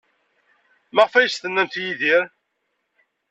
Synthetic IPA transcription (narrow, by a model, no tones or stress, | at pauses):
mæʁfæjəsθənːæmθjiðiɾ